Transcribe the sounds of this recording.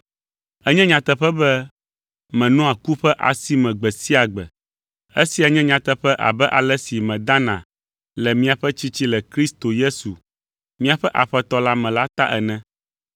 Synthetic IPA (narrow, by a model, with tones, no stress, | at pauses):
ɛ˦ɲɛ̃˦ɲã˨t̪ɛ˦ɸɛ˦bɛ˦ | mɛ̃˨nɔ̃˦a˨ku˦ɸɛ˦ʔa̰˨si˦mɛ̃˨ɡ͡bɛ˨si˦a˨ɡ͡bɛ̰˨ | e˦si˨a˨ɲɛ̃˦ɲã˨t̪ɛ˦ɸɛ˦ʔa̰˨bɛ˦ʔa˨lɛ˦si˨mɛ̃˨d̪ã˦nã̰˨ | lɛ˨mĩ˦a˨ɸɛ˦t͡ɕi˦t͡ɕi˦lɛ˨kɾi˦st̪o˨je˦su˨ | mĩ˦a˨ɸɛ˦ʔa˨ɸɛ˦t̪ɔ˦la˦mɛ̃˨la˦t̪a˦ʔɛ˨nɛ̃˦